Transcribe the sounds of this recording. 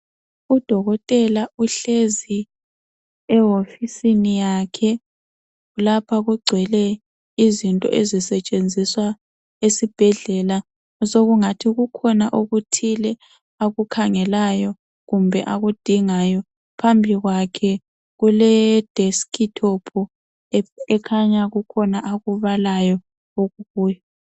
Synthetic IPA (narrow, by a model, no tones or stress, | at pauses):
ud̥ʱɔɣɔtʼɛlauɬezi | ɛɦofisinijakʰɛ | lapʰaɣuɡ͡ǀʱwɛlɛ | izintʼɔ̰ʔezisɛt͡ʃʼend͡zʱiswa | esib̥ʱɛɮɛla | soɣuŋatʰiɣukʰɔnaʔoɣutʰilɛ | aɣukʰaŋɛlajɔ | ɣumbʱɛ̰ʔaɣud̥ʱiŋajɔ | pʰambʱiɣwakʰɛ | ɣulɛd̥ʱeskʰitʰopʰu | ɛkʰaɲaɣukʰɔnaʔaɣuβalajɔ | oɣuɣuːjɔ